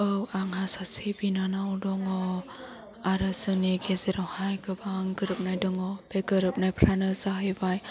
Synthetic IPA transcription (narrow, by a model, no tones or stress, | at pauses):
ɯwaŋhasasebinanawdɔŋɔ | aɾɯzɯniɡezeɾɔwhajɡʰɯbaŋɡɯɾɯp̚najdɔŋɔb̥eɡɯɾɯp̚najpʰɾanɯzaɦɯjbaj